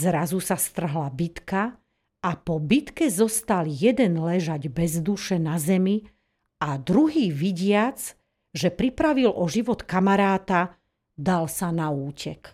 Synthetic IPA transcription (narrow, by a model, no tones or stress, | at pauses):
zɾazusast̪r̩ɦlabit̪ka | apɔbit̪kɛzɔst̪aljɛd̪ɛnlɛʒaɟbɛzd̪uʃɛnazɛmi | ad̪ɾuɦiːʋiɟɪad͡z | ʒɛpɾipɾaʋilʔɔʒiʋɔt̪kamaɾaːt̪a | d̪alsanauːcʰɛk